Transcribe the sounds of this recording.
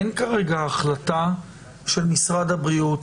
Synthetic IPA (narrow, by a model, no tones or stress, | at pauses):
nkaʁe̞ɡaːχlata | ʃe̞lmisʁad̪abʁiut